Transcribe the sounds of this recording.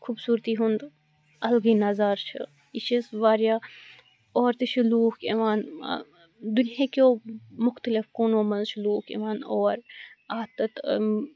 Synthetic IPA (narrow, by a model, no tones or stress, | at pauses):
kʰuːbsuːɾt̪iɦũnd̪ | ɐlɡinazaːɾt͡ʃʰɐ̰ | it͡ʃʰisʋaːɾjaː | oːɾt̪eʃʰiluːkḛʋaːn | d̪ʊnijakomʊxt̪əlɪfkoːnoːmɐnzʃʰluːkḛʋaːnɔːɾaːt̪ɐt̪